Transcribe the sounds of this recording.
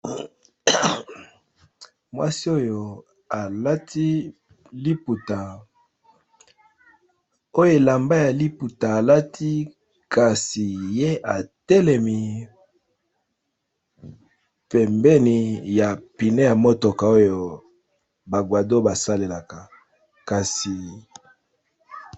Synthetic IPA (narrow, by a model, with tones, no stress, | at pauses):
mwa̰˦si˦o˦jo˨ | a˨la˦tʰi˦ | li˦pu˨ta˨ | o˦jo˦e˨la˨mba˦ja˨li˦pu˨taː˨la˦tʰi˦ | ka˨si˨je˦ʔa˨tɛ˦lɛ˨mi˨ | pɛ˨mbɛ˦ni˨ja˨pi˨ne˦ja˨mo˦to˨ka˨o˦jo˨ | ba˨ɡwa˨do˦ba˨sa˦le˨la˨ka˨ | ka˨si˨